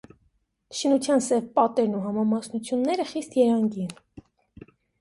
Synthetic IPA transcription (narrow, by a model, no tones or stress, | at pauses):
ʃinut͡sʰjɑnsɛvpɑt̪ɛɾnuɦɑmɑmɑsnut͡sʰjunːɛɾəχist̪jɛɾɑŋɡin